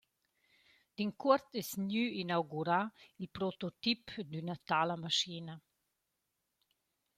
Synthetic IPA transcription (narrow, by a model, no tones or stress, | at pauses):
d̪̥iŋkuɾt̪ɛsnjyinawɡuɾailpɾot̪ot̪ipd̪ynat̪alɐmaʃina